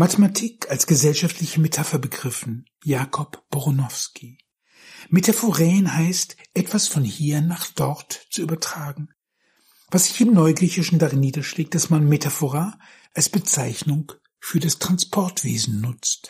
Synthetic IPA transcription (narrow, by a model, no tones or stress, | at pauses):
matematʰiːkalsɡ̥əzɛlʃaftlɪçəmetʰafɐbəɡʁɪfn̩ | jaːkʰɔpb̥ɔʁʊnɔfskʰi | metʰafoʁɛːnhaɪstʔɛtv̥asfɔnhiːɐnaːχd̥ɔʁtt͡suʔyːbɐtʁ̥aːɡŋ̩ | vasz̥ɪçɪmnɔʏɡʁiːçɪʃn̩daʁɪnːiːdɐʃleːk̚t̚d̥asmanmetʰafoʁa | ʔalsb̥ət͡saɪçnʊŋ | fyːɐdastʁ̥anspʰɔɐtv̥ḛːzn̩nʊt͡st